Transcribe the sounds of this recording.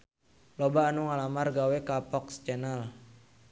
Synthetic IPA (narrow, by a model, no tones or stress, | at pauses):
lɔbaːnuŋalamarɡawɛkapɔkst͡ʃɛnal